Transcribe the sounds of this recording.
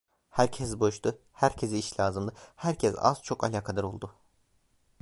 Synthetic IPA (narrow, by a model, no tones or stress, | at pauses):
hæɾcʰɛsbo̞ʃt̪ʰʊ | hæɾcʰe̞ziiʃlʲaːzɯmd̪ɯhæɾcʰɛsa̰z̥t͡ʃʰo̞ka̰lʲaːkʰad̪aɾo̞lˠd̪ʊ